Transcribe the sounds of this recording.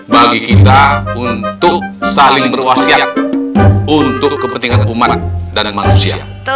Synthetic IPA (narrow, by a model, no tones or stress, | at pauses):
baɡikit̪aunt̪ʊk̚salɪŋbərwasiat̚ | unt̪ʊkːəpənt̪iŋanumat̪̚danmanusiaa̰